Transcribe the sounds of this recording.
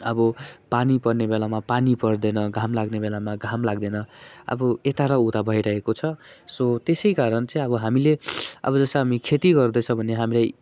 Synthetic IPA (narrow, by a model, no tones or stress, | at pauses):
ʌbʌpanipʌrnebelamapanipʌrd̪enʌɡʱamlaɡnebelamaɡʱamlaɡd̪enʌʌ̰bʌet̪aɾʌut̪abʱʌjɾʌɦekot͡sʰʌsot̪esʌjkaɾʌnt͡sʌĩʌbʌɦamileʌ̰bʌd͡zʌsʌɦamikʰet̪iɡʌrd̪ʌt͡sʰʌ̃bʱʌneɦamilaj